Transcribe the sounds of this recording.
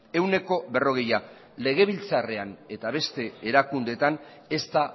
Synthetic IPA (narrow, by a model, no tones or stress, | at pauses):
e̞wne̞ko̞βe̞ro̞ɣ̞e̞ja | le̞ɣ̞e̞β̞ilt͡sare̞ane̞t̪aβe̞st̪e̞ːɾakund̪e̞t̪an | e̞st̪a